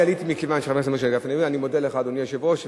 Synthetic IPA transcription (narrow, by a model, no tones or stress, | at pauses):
alit̪imikevanʃeχamesemaʃ̬eɡafnevianimod̪eleχad̪oniaʃevoʃ